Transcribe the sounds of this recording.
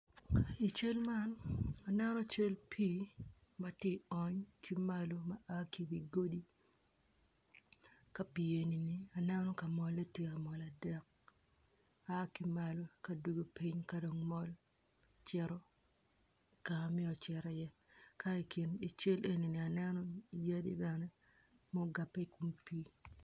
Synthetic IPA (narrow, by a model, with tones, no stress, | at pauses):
i˨t͡ʃe˦lma˦na˨nɛ˦nɔ˦t͡ʃe˦lpʰi˦ | mɐ˨tje˦ɔ˨ɲkʰi˦ma˦lo˦mɐ˦ʔa˦ki˦bi˨ɡo˦di˦ | ka˨pi˨e˨ni˨ni˨a˨nɛ˦nɔ˦ka˨mɔ˨le˦tje˦a˨mɔ˨la˨dɛ˦k̚ | a˦ki˦ma˦lo˦ka˨du˦ɡo˨pi˦ɲka˦do˨ŋmɔ˦l | t͡ʃɛ˦ɾɔ˦ | ka˨mɪ˦ɔ˨t͡ʃɛ˨ɾɛ˦jɛ˦ | ka˦i˨ki˨ni˨t͡ʃe˦lʔe˦ni˨ni˨a˨nɛ˦nɔ˦i˨ja˦dḭ˦da˨nɛ˦ | mɔ˦ɡa˨pːɛ˦i˦ku˦mpi˦